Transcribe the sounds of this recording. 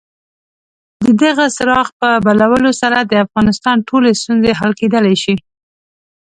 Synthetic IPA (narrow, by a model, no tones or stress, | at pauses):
d̪əd̪əɣasɾɑxpəbalawəlosaɾad̪əafɣɑnɪst̪ɑnʈʰolest̪unzeɦalked̪əlajʃi